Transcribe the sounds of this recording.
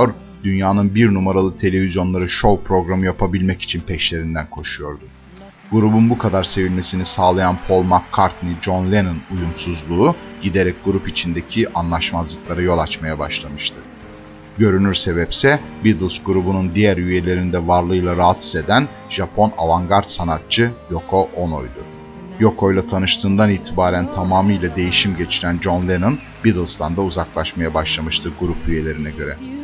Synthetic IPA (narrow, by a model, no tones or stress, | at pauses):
oɾ | d̪̥ynjaːnɯnbiɾnumaɾalˠɯt̪ʰe̞lʲe̞vizjo̞nlˠaɾɯʃo̞wpɾo̞ɡɾamɯjapʰabilʲmɛci̥t͡ʃʰinpʰɛʃlʲe̞ɾind̪ænkʰo̞ʃujo̞ɾd̪u | ɡ̥uɾubunbukʰad̪aɾse̞vilʲme̞sinisaːlˠajanpʰo̞lˠmakʰːaɾt̪nid͡ʒo̞nlʲenonujumsuzlˠuːɟ̥id̪e̞ɾɛc̚ɡuɾupit͡ʃʰind̪e̞cʰiʔanlˠaʃmazlˠɯklˠaɾɯjo̞lˠat͡ʃmajabaʃlˠamɯʃt̪ʰɯ | ɟø̞ɾynyɾse̞βɛpsɛbid̪ɯlʲˠsɡuɾubunund̪ijæɾyje̞lʲe̞ɾind̪ɛvaɾlˠɯjlˠaɾaat̪i̥ze̞d̪æn | ʒ̥apʰo̞navaŋɡaɾt̪sanat̪̚t͡ʃʰɯjo̞kʰo̞ʔo̞no̞̰jd̪u | jo̞kʰo̞jlˠat̪ʰanɯʃt̪ʰɯːnd̪aniːt̪ʰibaːɾænt̪ʰamaːmɯjlʲˠad̪e̞jiʃimɟe̞t͡ʃʰiɾænd͡ʒo̞nlʲenon | bid̪ɯlˠst̪ʰand̪auzaklˠaʃmajabaʃlˠamɯʃt̪ʰɯɡuɾupyje̞lʲe̞ɾinɛɟø̞ɾɛ